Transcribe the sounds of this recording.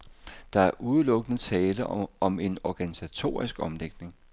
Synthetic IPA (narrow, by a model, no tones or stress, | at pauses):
d̥ɑ̈æɐʔuð̞ˠəlɔ̽ɡ̥ənət͡sʰɛːləɒ̽me̝nɒɡ̥ænisæt͡sʰo̝̰ːɐisɡ̥ɒ̽mleɡ̥ne̝ŋ